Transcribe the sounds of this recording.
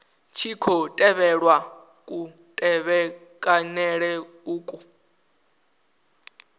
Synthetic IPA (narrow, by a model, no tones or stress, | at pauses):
t͡ʃʰikʰɔtʼɛβɛɺwa | kʼu | tʼɛβɛkʼanɛɺɛ | uːkʼu